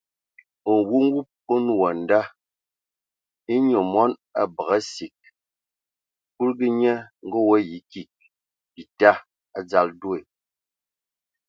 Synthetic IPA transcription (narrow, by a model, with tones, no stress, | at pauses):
o˨ŋ˨ɡu˦ŋ̩˦ɡu˦p̚o˦nu˦˨wa˨n̩˨da˦ | i˦ɲo˨mɔ˦na˨bə˨ɣa˦si˨k̚ | ku˦lɡi˦ɲɛ˦ŋ̩˦ɡɔ˦wɔ˦ji˨˦ki˨k̚ | bi˨ta˦ | a˦d͡za˦ldu˦e˨